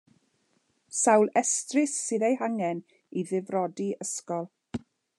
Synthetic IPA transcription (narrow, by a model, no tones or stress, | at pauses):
sawlˠɛstrɪsːɪðejɦaŋɛn | iðɪvrɔdiəskɔlˠ